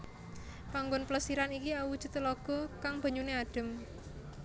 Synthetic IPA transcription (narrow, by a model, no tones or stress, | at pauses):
paŋɡʊnpləsiɾanikiawud̥ʒ̥ṳt̪lɔɡ̥ɔ̤kaŋb̥a̤ɲuneaɖ̥ə̤m